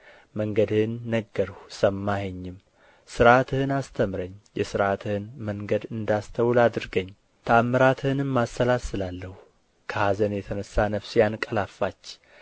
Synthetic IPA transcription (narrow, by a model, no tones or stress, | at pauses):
məŋɡəd̪hɨnːəɡːəɾhusəmːaheɲːɪm | sɨɾʔat̪ʰɨhɨnast̪ʰəmɾəɲːjɛsɨɾat̪ʰɨhɨnməŋɡəd̪ɨnd̪ast̪ʰəwlad̪ɨɾɡəɲː | t̪ʰamːəɾat̪ʰɨhɨnɨmmasːəlasɨlalːəhu | kʰəhazənjɛt̪ʰənəsːanəfsjankʼəlafːat͡ʃː